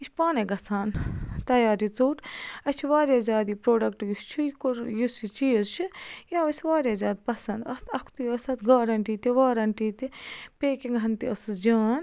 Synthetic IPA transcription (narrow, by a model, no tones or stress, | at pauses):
it͡ʃʰpaːneɡɐsʰaːnt̪ɐjaːɾit͡suːʈɐt͡ʃʰiʋaːɾʲjaːzʲaːd̪ipɾoːɖɐkʈjust͡ʃʰukjusit͡ʃijɐzt͡ʃʰujaːʋɐsʲʋaːɾjaːzʲaːd̪pɐsɐnd̪ɐst̪ʰɐkʰt̪ujɐsɐt̪ɡaːɾɐɳʈiːt̪iʋaːɾɐɳʈiːt̪ipeːkiŋɡɐnt̪iɐsɨsd͡ʒaːn